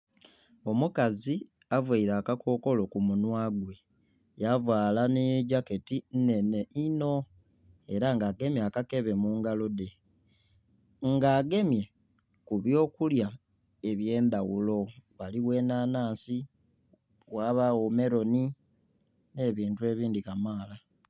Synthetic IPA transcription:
o̞mukazi | avwaiɾaːkakʰo̞ko̞lo̞kumunwaːɡwe̞ | javwaːlaneɟake̞tinne̞ne̞ʔino̞ | eɾaŋɡaːɡe̞mjakake̞βe̞muŋɡalo̞de̞ | ŋɡaːɡe̞mje̞ | kuβjo̞ːkulja | e̞βje̞ːmbawulo̞waliwe̞ːnaːnaːnsi | waβaome̞ɾo̞ni | ne̞ːβiːntue̞ːβiːndikamaːla

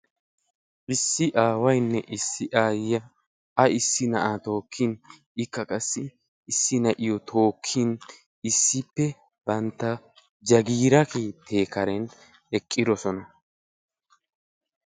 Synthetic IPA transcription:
ʔɪsːɪʔaːwɐjnːɛʔɪsːɪʔaːjɐ | ɐɪsːɪnɐ̰ʔat̪o̞ːkʰːɪn | ɪkːɐkʼɐsːɪ | ɪsːɪnɐʔɪjɔt̪ʰo̞ːkʰːin | ɪsːɪpːɛ | b̥ɐnt̪ːɐ | d͡ʒɐɡiːɾɐkeːt̪ʰːe̞ːkɐɾɛn | ɛkʼːɪd̪ɔsɔnɐ

